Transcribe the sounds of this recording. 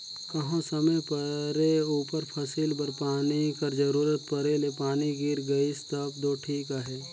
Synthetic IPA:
kɐɦãsɐməjpɐɾeuːpəɾpʰɐsilbɐɾpaːnikɐɾd͡ʒɐɾuːɾət̪̚pɐɾelepaːniɡiɾɡɐist̪əbd̪oːʈʰiːkaɦɛː

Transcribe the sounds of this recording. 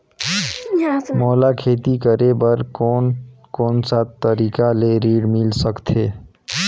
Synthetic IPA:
moːlakʰeːt̪ikəɾebəɾkon | koːnsat̪t̪ːəɾikaleɾiɽmilsəkt̪ʰe

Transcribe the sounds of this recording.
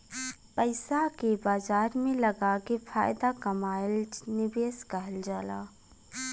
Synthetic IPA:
pəɪsakebaːzaːɾmẽlɐɡakefʰa̰ːjd̪akɐmaːɪlnɪbeːskəɦəld͡ʒaːlaː

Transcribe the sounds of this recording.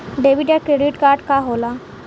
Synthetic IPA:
ɖeʋiʈjakɾeɖiʈkaɾɖkaɦola

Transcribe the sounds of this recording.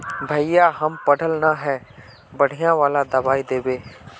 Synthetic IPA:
bʱɐɪjaɦɐmpəɽʱəlnaɦɛː | bɐɽ̤ijãʋaːlad̪ɐbaːid̪eːbeː

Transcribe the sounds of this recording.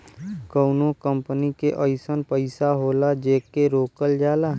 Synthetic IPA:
kəʊnõkəmpənikeʔəɪsənpəɪsaɦoːlad͡ʒeːkːeɾoːkəld͡ʒaːla

